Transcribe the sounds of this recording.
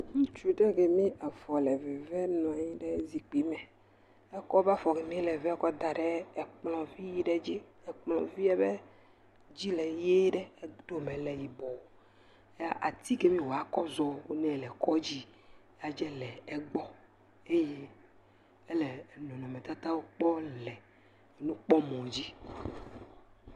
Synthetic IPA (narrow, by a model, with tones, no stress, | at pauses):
ŋũ˦t͡ʃu˦ɖɛ˦ɡɛ˨mĩ˦ʔa˨fɔ˨lɛ˨vɛ˨vɛ˦nɔ̃˨a˨ɲĩ˦ɖɛ˦zi˨k͡pi˨mɛ˨ | ɛ˦kɔ˦ba˦fɔ˨ɣɛ˨mĩ˦lɛ˨vɛ˦kɔ˦d̪a˨ɖɛ˦ɛ˨k͡plɔ̃˨vi˦ji˦ɖɛ˦d͡ʑi˦ɛ˨k͡plɔ̰̃˨vi˦ɛ˦bɛ˦ | d͡ʑi˦lɛ˨je˦ɖɛ˦ɛ˦d̪o˦mẽ˨lɛ˨ji˨bɔ˨ | e˦a˦ʔa˨t̪i˦ke˦mĩ˦wo˨a˨˦kɔ˦zɔ˦wo˦nɛ̃˦˨lɛ˨kɔ˦d͡ʑi˦ | a˦d͡ʒɛ˦lɛ˨ɛ˦ɡ͡bɔ˦ | e˦je˦ | e˦lɛ˨nɔ̃˨nɔ̃˨mɛ̃˨t̪a˦t̪a˦wo˦k͡pɔ˦lɛ˨ | nũ˦k͡pɔ˦mɔ̃˨d͡ʑi˦